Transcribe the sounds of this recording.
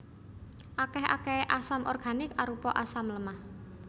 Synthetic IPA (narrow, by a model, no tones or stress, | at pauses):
ʔakɛha̰kɛʔasamʔɔrɡ̥a̤nɪkaɾupɔʔasamləmah